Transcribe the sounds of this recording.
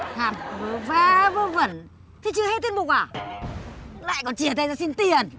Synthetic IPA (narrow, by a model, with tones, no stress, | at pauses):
haː˨˩t̚vɨ˨˦vɛ˨˦vo˧və˨˧˩n | t̪ʰi˨˦t͡ɕɨ˧ə˧he˧˥t̪i˧əmu˨˩k̚waː˧˨˩ | la̰ː˧˨jkɔ˨˦nt͡ɕi˧˩ə˩t̪ʰa˧jzaː˧si˧nt̪i˧ən